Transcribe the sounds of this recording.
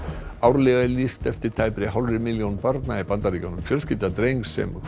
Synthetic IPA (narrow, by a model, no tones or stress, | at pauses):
awɾlɛɣðɪlist̪ɛft̪ɪɾ̥t̪ʰaːjpɾɪɦawlrɪmɪljownpaɾt̪naɪpant̪aɾicanʏmfjœlscɪt̪at̪ɾejŋksːɛ̰m